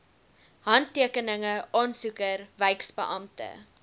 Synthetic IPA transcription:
ɦɐntːiəkənəŋəʔɑnsukərvɐjksbə̰ʔɐmtə̰

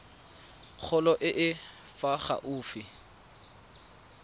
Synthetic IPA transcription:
q͡χʰɔlɔʔɪʔɪfaχa̰ʔʊːfi

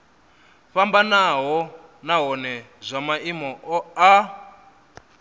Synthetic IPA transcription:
ɸambanaɦɔ | naɦɔnɛ | zʷamaimɔɔa

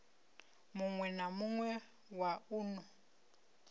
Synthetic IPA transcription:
muŋwɛnamuŋwɛ | wauːnɔ

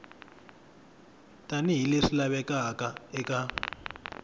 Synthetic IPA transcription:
tʼaniɦileʂilaβɛkʼakaɛka

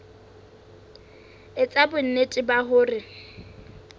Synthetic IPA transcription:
ɪt͡sʼabʊn̩netʼɪbaɦʊːrɪ

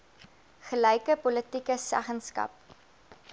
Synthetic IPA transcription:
χəlɛjkəpɔlətikəsɐ̰χənskɐ̰p̚

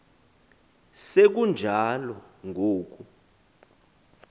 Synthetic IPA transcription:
sek̬und͡ʒʱalɔŋʱoːk̬u

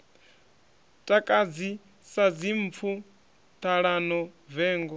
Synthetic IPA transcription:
tʼakʼad͡zi | sad͡ziɱ̩p̪fʰu | t̪ʰaɺanɔvɛːŋɡɔ

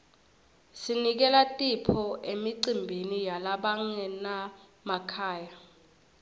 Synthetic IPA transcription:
sinik̬ɛlatʼipʰɔʔemiǀimbʱinijalaɓaŋɛnamakʰaːja

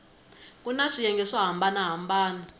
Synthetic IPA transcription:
k̬unaʂijɛŋɡɛʂaɦambanaɦambaːna

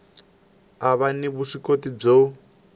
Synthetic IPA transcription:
aβaniβuʂikotib͡ʐou

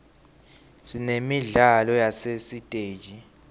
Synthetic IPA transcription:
sinemiɮalɔjasesitʼeːd͡ʒʱʼi

